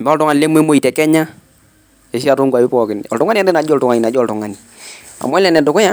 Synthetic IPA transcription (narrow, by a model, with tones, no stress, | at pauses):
mba˦ltɔ˦ŋa˨ni˨le˦m˦e˦mo˦i˨tɛ˨kɛ˦ɲa˦ | e˨sa˨tʊ˦ŋɡa˨bɪ˦pɔ˨kɪ˨nɔ̰˨ltʊ˦ŋa˦ni˦a˦ndɛ˦na˨d͡ʒɔ˦ltɔ˨ŋa˨ɲi˨na˨d͡ʒɔ˦˨ltɔ˨ŋa˦ni˨ | a̰˨mɔ˦lɛ˨nɛ˨ndʊ˨kʊ˦ja˦